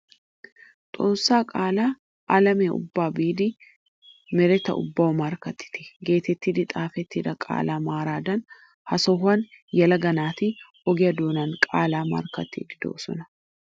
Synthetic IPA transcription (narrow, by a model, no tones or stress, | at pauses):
t̪ʼoːsːaːkʼaːlaː | ʔɐlɐmeːʔʊ̰bːaːbiːd̪ɪ | mɛɾɛt̪ːɐ̰ʊ̰bːɐwɐmɐɾkɐt̪ːɪ̥t̪ɪ̥ɡe̞ːt̪ɛt̪ːid̪ɪt̪ʼaːfɛt̪ːid̪ɐkʼa̰ːlaːmaːɾaːd̪ɐn | hɐsɔɦɐn | jɐlɐɡɐnaːt̪ɪ | ɔɡɪjɐd̪oːnɐnkʼa̰ːlaːmɐ̰ɾkɐt̪ːḭːd̪ɪd̪o̰ːsɔ̰nɐ